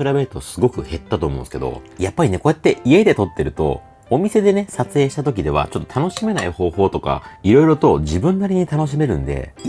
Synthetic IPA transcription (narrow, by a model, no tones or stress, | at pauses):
ɯɾabe̞ɾɯ̟t̪osɨɡo̞kɯ̟he̞t̪ːat̪o̞ːmõ̞nsɨ̥ke̞d̪o̞̰japːaɾʲine̞ko̞et̪ːe̞ʔie̞d̪e̞t̪o̞t̪ːe̞ɾɯ̟t̪o̞̰ː | mʲise̞d̪e̞ne̞sat͡sɨeːɕi̥t̪at̪ok̬ʲid̪e̞β̞a̰t͡ɕo̞t̪ːot̪ʰano̞ɕime̞naiho̞ːho̞ːt̪o̞ka̰iɾo̞iɾo̞t̪o̞d͡ʑibɯ̟̃nːaɾʲiɲ̟it̪ano̞ɕ̬ime̞ɾɯ̟̰̃nd̪e̞̰